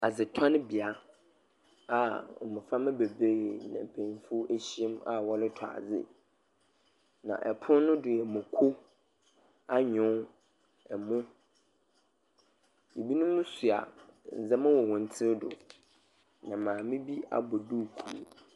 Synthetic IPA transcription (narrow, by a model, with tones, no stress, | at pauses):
a˨zɪ˨tʰã˦nɪ̃˦bi˨a˦ | a˨mʊ̃˨fa˦mɪ̃˦be˨be˦˨nã˨pʰẽ˨n˦fu˦ʔæ˦ɕi˦e˦ma̰˨wɔ˦lɪ˦tʰɔ˨a̰˨d͡zɪ̰˦ | nã̰˨ʔɛ˨pʰʊ̃˦nʊ̃˦dʊ˨jɛ˨mʊ̃˨kʰo˦ | a˦ɲʊ̃˦ | ɛ˨mʊ̃˦ | je˨bi˦nʊ̃˦mʊ̃˦su˨a̰˨n̩˨zɛ˦mã˦wɔ˨wɔ̃˨n̩˨tʰɪ˦dʊ̰˨ | nã˨mãː˨mɪ̃˦bi˦a̰˨bɔ˨du˦˨kʰṵ˨ɾ̰